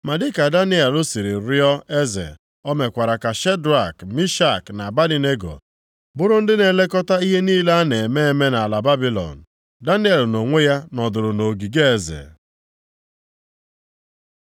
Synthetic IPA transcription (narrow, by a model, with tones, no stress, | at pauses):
ma˨dɪ˦ka˨da˦nɪ˦e˨lo˦si˨ɾi˨ɾi˦ɔ˦ʔe˦zḛ˨ | ɔ˦me˨kʷa˨ɾa˨ka˨ʃe˦dɾa˨kmi˦ʃa˦˨kna˨ba˦li˨ne˦ɡo̰˨ | bʊ˦ɾʊ˦n̩˦dɪ˦ne˨le˦kɔ˦ta˦i˦ɦe˦niː˦la˦ne˨me˦e˦˨me˦na˨la˨ba˦bi˦lɔ̰˨n̩˨ | da˦nɪ˦e˨lno˨ŋʷe˦ja˦nɔ˨dʊ˨ɾʊ˨no˨ɡi˨ɡe˦e˨zḛ˨